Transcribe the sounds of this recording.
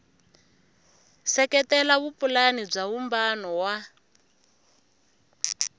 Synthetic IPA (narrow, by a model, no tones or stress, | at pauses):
sɛkɛtɛlaβupulanib͡ʐaβumbanɔwa